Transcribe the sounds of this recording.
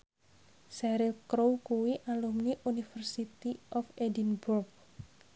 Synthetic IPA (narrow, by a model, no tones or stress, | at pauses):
sɛɾilkɾowkuwiʔalumniʔunifərsit̪iʔɔfedinburk̚